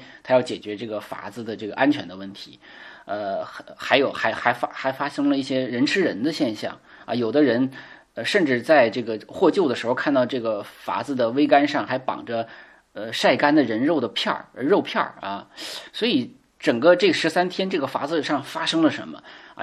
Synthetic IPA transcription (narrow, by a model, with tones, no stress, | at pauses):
t̪ʰa˥jɑ˥˩ʊt͡ɕjɛ˨˩t͡ɕɥɛ˧˥ʈ͡ʂɤ˥˩ɡə˩fa̰˧˥d͡zɹ̩˧d̪ə˩ʈ͡ʂɤ˥˩ɡə˩ʔa˥nt͡ɕʰɥɛ˧˥nd̪ə˧wə˥˩nt̪ʰi˧˥ə˧xa˧˥ɪjo˨˩ʊxa˧˥ɪxa˧˥ɪfa˥xa˧˥ɪfa˥ʂɤ˥ŋlə˧i˥˩ɕjɛ˥ɻə˧˥nʈ͡ʂʰɻ̩˥ɻə˧˥nd̪ə˧ɕjɛ˥˧nɕjɑ̰˥˩ŋ | ɐ̰˧jo˨˩ʊd̪ə˦ɻə˧˥n | ə˧ʂə˥˧nʈ͡ʂɻ̩˥˧t͡sa˥˧ɪʈ͡ʂɤ˥˩ɡə˩xwɔ˥˧t͡ɕjo˥˩ʊd̪ə˩ʂɻ̩˧˥xo˧ʊkʰa˥˧nt̪ɑ˥˧ʊʈ͡ʂɤ˥˩ɡə˩fa̰˧˥d͡zɹ̩˥˧d̪ə˩we˥ɪka˥nʂɑ˥˩ŋxa˧˥ɪpɑ̰˨˩ŋʈ͡ʂə˦ | ə˧ʂa˥˩ɪka˥nd̪ə˨ɻə˧˥nɻo˥˩ʊd̪ə˩pʰjɑ̰˥˩ɻə˧ɻo˥˧ʊpʰjɑ̰˥˩ɐ̰˧swɔ˧˥i˨˧˥ | ʈ͡ʂɤ˨˩ŋɡə˦ʈ͡ʂɤ˥˩ɡə˩ʂɻ̩˧˥sa˥nt̪ʰjɛ˥nʈ͡ʂɤ˥˩ɡə˩fa̰˧˥d͡zɹ̩˧ʂɑ˥˩ŋfa˥ʂɤ˥ŋlə˨ʂə̰˧˥nmə̰˧